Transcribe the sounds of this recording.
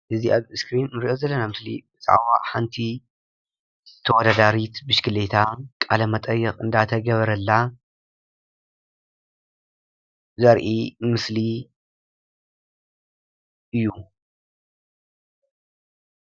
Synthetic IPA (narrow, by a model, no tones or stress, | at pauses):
ʔɨziʔaβɨskɾinɾiʔo̞zɐlːɐnamɨslḭbɨt͡sʼa̰ʕwaħant̪ʰi | t̪ʰɐwɔd̪ad̪aɾit̪bɨʃkʰɨlet̪ʰakʼalɐmɐt̪ʼɐjːɛχʼɨ̰nd̪at̪ʰɐɡɐβɐɾɐlːa | zɐɾʔimɨsli | ʔɨjːu